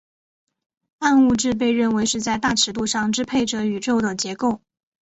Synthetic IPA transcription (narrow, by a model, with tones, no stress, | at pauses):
a˥˧nu˥˧ʈ͡ʂɻ̩˥˧p̬e˥˧ɪɻə˥˩nwe˧˥ɪʂɻ̩˥˧t͡sa˥˧ɪt̪a˥˩ʈ͡ʂʰɻ̩˧˥t̪u˥˧ʂɑ˥˧ŋʈ͡ʂɻ̩˥pʰe˥˩ɪʈ͡ʂə˨˩y˨˩ʈ͡ʂo˥˩ʊd̪ə˩t͡ɕjɛ˧˥ko˥˩ʊ